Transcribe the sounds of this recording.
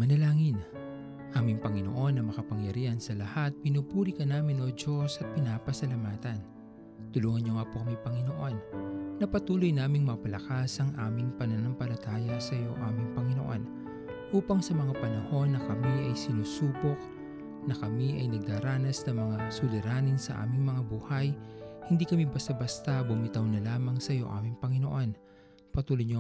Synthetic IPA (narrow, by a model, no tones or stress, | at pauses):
mɐnɐlaːŋɪn | ʔaːmɪŋpɐŋɪno̰ʔo̞nːɐmɐkɐpɐŋjɐɾiːhɐnsɐlɐhat̪̚pɪnuːpuːɾikɐnaːmɪnod͡ʒo̞sɐt̪̚pɪnaːpɐsɐlɐmaːt̪ɐn | t̪ʊluːŋɐnɲoŋapukɐmipɐŋɪnoʔo̞nːɐpɐt̪uːlojnaːmɪŋmɐpɐlɐkasɐŋʔaːmɪŋpɐnɐnaŋpɐlɐt̪aːjɐsɐjo̞ʔaːmɪŋpɐŋɪno̞ʔo̞̰n | ʔuːpɐŋsɐmɐŋapɐnɐho̞nːɐkɐmiʔɐjsɪnuːsuːpok̚ | nɐkɐmiʔɐjnɐɡ̚d̪aːɾaːnɐsnɐŋmɐŋasʊlɪɾaːnɪŋsɐ̰ʔa̰ːmɪŋmɐŋabuːhɐjhɪnd̪iːkɐmibɐst̪ɐbɐst̪ɐbʊmɪt̪ɐwnɐlaːmɐŋsɐjo̞̰ʔa̰ːmɪŋpɐŋɪnoʔo̞n | pɐt̪uːlojɲo